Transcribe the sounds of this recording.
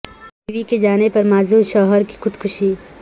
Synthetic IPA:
d̪iːʋiked͡ʒaːnepɐɾmaːzuːɾʃɔːɦəɾki̥xʊd̪kʰʊʃiː

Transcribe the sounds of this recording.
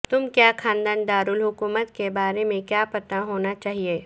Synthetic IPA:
t̪ʊmkjaːkʰãːnd̪aːnd̪aːɾʊlɦʊkuːmət̪kebaːɾemẽkjaːpɐt̪aɦoːnat͡ʃaːɦieː

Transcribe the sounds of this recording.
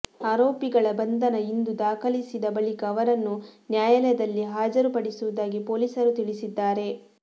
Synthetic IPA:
aːɾo̞ːpiɡɐɭɐbɐnd̪ʱɐnɐind̪ud̪aːkʰɐlisid̪ɐbɐɭikɐːʋɐɾɐnːunjaːjɐlɛjɐd̪ɐlːiɦaːd͡ʒɐɾupɐɽisuʋud̪aːɡipo̞ːlisɐɾut̪iɭisid̪ːaːɾe̞

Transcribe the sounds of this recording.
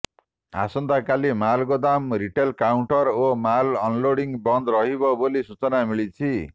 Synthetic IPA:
a̰sɔnd̪akalimalɡɔd̪amɾiʈelkawɳʈɔɾomalɔnloɽiŋbɔnd̪ɾɔɦibɔbolisut͡sɔnamiɭit͡sʰi

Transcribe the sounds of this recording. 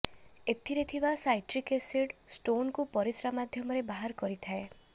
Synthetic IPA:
et̪ʰiɾet̪ʰibasajʈɾikeseɖsʈonkupɔɾisɾamad̪ʱjɔmɔɾebaɦaɾkɔɾit̪ʰae

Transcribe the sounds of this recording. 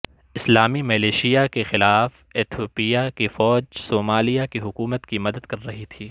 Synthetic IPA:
ɪslaːmimɐleːʃijakexɪlaːf | eːt̪ʰjoːpijakifɔːd͡ʒsoːmaːlijakiɦʊkuːmət̪kimɐd̪əd̪kɐɾːɐɦit̪ʰiː

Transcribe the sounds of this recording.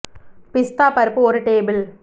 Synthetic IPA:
pɪst̪aːpɐɾpoːɾɨʈeːbɪl

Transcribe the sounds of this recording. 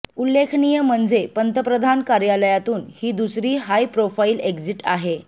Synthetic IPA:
ulːekʰnijəm̤əɳd͡zepənt̪əpɾəd̪ʱankaɾjaləjat̪uːnhiːd̪usɾiːɦajpɾofaiːlekd͡ziʈaɦe

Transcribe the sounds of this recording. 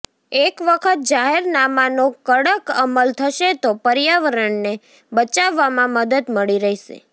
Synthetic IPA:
ekʋəkʰət̪̚d͡ʒaɦeɾnamanokəɽəkəməlt̪ʰəʃet̪opəɾjaʋəɾəɳne | bət͡ʃaʋːamãməd̪əd̪məɭiɾəɦiʃḛ

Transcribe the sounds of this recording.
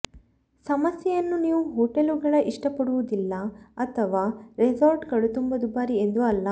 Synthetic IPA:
sɐmɐsjɛjɐnːuniːʋuɦoːʈeluɡɐɭɐʔiʂʈɐpɐɽuʋud̪ilːɐɐt̪ʰɐʋaːɾezaːɾɖkɐɭut̪umbɐd̪ubaːɾiend̪uɐlːɐ

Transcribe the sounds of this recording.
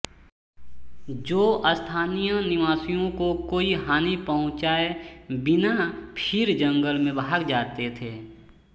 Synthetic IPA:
d͡ʒoːʔəst̪ʰaːnijənɪʋaːsijõkokoːiɦaːnipəɦʊ̃t͡ʃaːebɪnapʰɪɾd͡ʒə̃ŋɡəlmẽbʱaːɡd͡ʒaːt̪et̪ʰeː

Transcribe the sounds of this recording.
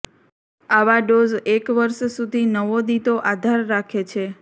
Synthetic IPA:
aʋaɖozekʋəɾʃsud̪ʱinəʋod̪it̪oʔad̪ʱaɾːakʰet͡ʃʰe

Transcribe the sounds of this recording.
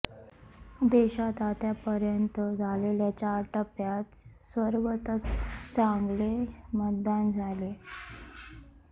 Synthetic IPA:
d̪eɕat̪at̪japəɾjənt̪əd͡zʱaleljat͡ɕaʈəpjat̪sʋəɾʋət̪ət͡st͡sãŋɡlemət̪̚d̪and͡zʱale

